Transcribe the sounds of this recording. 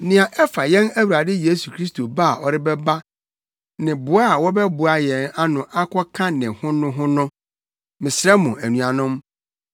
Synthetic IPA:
nɪ̃˨ã˨ʔɛ˦fa˨jɛ̃˦næ˦wu˨ɾa˨dɪ˦je˦su˨kʰɾi˦stʰo˨ba˦˨ɔ˨ɾɪ˦bɛ˦ba˦ | nɪ̃˨bʊ˨a˦˨wɔ˦bɛ˦bʊ˨a˨jɛ˨na˦nʊ̃˨ʔa˦kʰɔ˦kʰã˦nɪ̃˨hʊ̃˦nʊ̃˦ɦʊ̃˦nʊ̃˦ | mɪ̃˨sɪɾɛ˦mʊ̃˨æ˨nũ˨a˨nʊ̃˦m

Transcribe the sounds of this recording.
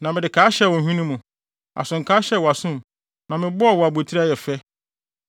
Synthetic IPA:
nã˨mɪ̃˨dɪ˨kʰaː˦ɕɛ˦˨wɔ˨hᶣĩ˦nũ˦mũ˨ | a̰˨sʊ̃˨ŋ̩˨kʰaː˦ɕɛ˦˨wɔ˨a˨sʊ̃˦m | nã˨mɪ̃˨bʊ˦a˨wɔ˨a˨bu˨e˨tʰi˦ɾa˦jɛ˨fɛ˦

